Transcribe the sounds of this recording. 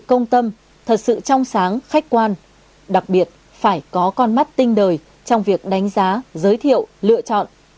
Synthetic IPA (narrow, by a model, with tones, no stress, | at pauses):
kə˧wŋ͡mt̪ə˧m | t̪ʰə˨˩t̚sɨ̰˧˨t͡ɕɔ˧wŋ͡msaː˨˦ŋxa˦˥jk̟̚kwaː˧n | ɗa˨˩k̚ɓi˨˩ət̚ | faː˧˩jkɔ˨˦kɔ˧nma˦˥t̚t̪i˧ŋ̟ɗəː˨˩j | t͡ɕɔ˧wŋ͡mvi˨˩ək̚ɗa˨˦jŋ̟zaː˨˦zəː˨˦jt̪ʰḭ˧˨əwlɨ̰˧˨ət͡ɕɔ̰˧˨nʔ